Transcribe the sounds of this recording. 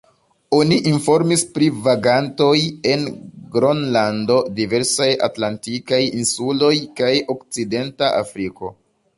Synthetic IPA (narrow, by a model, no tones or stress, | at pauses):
o̞niʔinfo̞ɾmispɾivaɡanto̞je̞nɡɾonlando̞dive̞ɾsaja̰tlantikajinsulo̞jkajo̞kt͡side̞ntaʔa̰fɾiko̞̰